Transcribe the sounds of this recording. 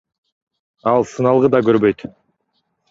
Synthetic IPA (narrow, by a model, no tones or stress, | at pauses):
ɑlˠsɯnɑlˠʁɯd̪ɑkøɾbø̞jt̪